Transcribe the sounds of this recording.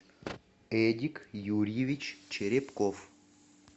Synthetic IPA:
edʲikjuɾʲjevʲit͡ɕt͡ɕeɾʲepkof

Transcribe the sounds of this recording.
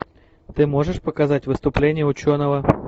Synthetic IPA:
t̪ɨmo̞ʐɨʂpəkɐzatʲvɨst̪ʊplʲenʲɪjəʊt͡ɕo̞nəvə

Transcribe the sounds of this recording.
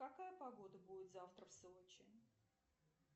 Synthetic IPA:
kɐkajəpɐɡo̞d̪əbudʲɪt̪zaft̪ɾəfsɨot͡ɕɪ

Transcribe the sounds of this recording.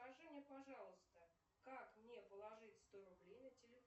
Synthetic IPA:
aʐɨnʲɪəpɐʐɑlˠəst̪ə | kakmnʲepəlˠɐʐɨtʲst̪oɾʊblʲejnətʲɪlʲɪ

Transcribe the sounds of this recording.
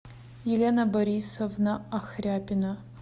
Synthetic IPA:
jɛlʲenɐboɾisovnɐaxrʲaːpʲɪnɐ

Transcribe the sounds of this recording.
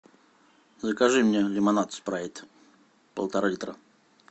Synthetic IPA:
zəkaʐɨmnʲelʲɪmanat̪spɾavʲɪt̪ | pə̰lˠt̪aɾalʲit̪ɾa

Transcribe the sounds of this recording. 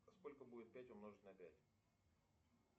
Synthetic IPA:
sko̞lʲkəbudʲɪt̪̚pʲætʲomnoʐɨt̪nəpʲætʲ

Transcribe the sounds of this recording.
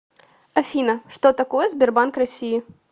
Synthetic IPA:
ɐfʲinɐʂt̪ot̪ɐkojɛzʲbʲɪrbankrɐsʲiji

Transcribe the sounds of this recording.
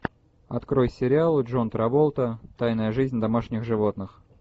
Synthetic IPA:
ɐt̪kɾo̞jsʲɪɾʲɪalˠɨʐo̞nt̪ɾɐvolˠt̪ət̪ajnəjəʐɨzʲnʲd̪ɐmaʂnʲɪxʐɨvo̞t̪nɨx

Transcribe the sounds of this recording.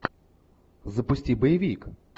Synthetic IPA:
zɐpʊsʲtʲibɔjʋʲik

